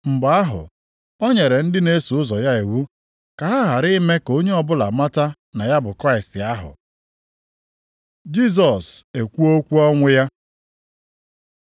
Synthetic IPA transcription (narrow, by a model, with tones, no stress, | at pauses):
m̩˨ɡ͡ba˨a˦ɦʊ̰˨ | ɔ˦ɲe˨ɾe˨n̩˦dɪ˦ne˦su˨ʊ˦zɔ˨ja˦i˨wu˦ | ka˨ɦa˦ɦa˨ɾɪ˦me˦ko˦ɲe˦ɔ˦bʊ˦la˨ma˦ta˦ | na˨ja˦bʊ˨kɾa˦ɪ˨stɪ˨a˦ɦʊ̰˨ | d͡ʒi˦s̬ɔ˨se˨kʷu˦o˦kʷu˦ɔ˦ŋʷʊ˦ja˦